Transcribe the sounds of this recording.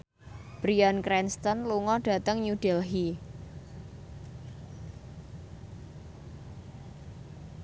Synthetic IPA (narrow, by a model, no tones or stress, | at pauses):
b̥ɾiankɾɛnst̪ənluŋɔɖ̥ä̤t̪əŋɲud̥ɛlɦi